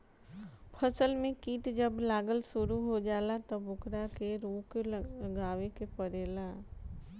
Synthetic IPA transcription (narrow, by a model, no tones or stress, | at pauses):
pʰəsəlmẽkiːʈd͡ʒəblaːɡəlsʊɾuɦod͡ʒaːlat̪ɔbʊkɾakeɾuːkɡaːʋekepəɾeːlaː